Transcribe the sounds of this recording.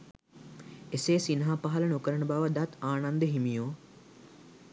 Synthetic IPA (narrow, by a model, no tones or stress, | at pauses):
eseːsinɦapaɦɐlənukəɾəɳəbaʋəd̪at̪aːnand̪əɦimijoː